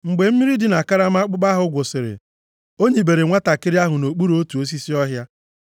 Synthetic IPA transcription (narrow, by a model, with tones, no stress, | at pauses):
ŋ͡m̩˨ɡ͡be˨m̩˦mi˦ɾi˦dɪ˨na˨ka˦ɾa˦m˦a˦k͡pʊ˦k͡pa˦ɦʊ˨˦ɡʷo˨sɪ˨ɾɪ̰˨ | o˦ɲe˨be˨ɾe˨ŋʷa˦ta˨kɪ˦ɾɪ˦a˦ɦʊ˨no˨k͡pu˦ɾo˦tu˨o˦s̬i˦si˦ɔ˦ɦja˦